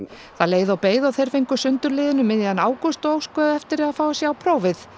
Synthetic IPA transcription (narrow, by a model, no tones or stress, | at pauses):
θaðleːjðʏawpeːjðawθejɾ̥fejŋkʏsʏnt̪ʏɾlɪːðɪnʏmɪnjɪanaːwkɔst̪ɔoːwskvœːðʏɛft̪ɪɾaðfaːwasjɛawpʰɾoːwvɪθ